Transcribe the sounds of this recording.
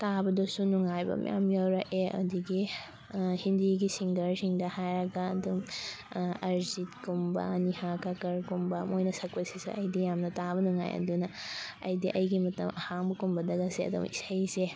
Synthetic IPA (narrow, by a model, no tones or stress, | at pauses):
tabɐdɐsunuŋajbɐ̰m̰ja̰mjawɾɐʔeʔɐ̰diɡi | hindiɡisiŋɡɐɾsiŋdɐhajɾɐɡɐːdum | ɐɾzitkumbɐ̰nihakakɐɾkumbɐmojnɐsɐk̚pɐsisɐ̰ɐjdijamnɐtabɐnuŋa̰jɐ̰dunɐɐ̰jdiʔɐjɡimɐtɐ̰mɐhaŋbɐkumbɐdɐɡɐseɐ̰dṵmḭsɐjse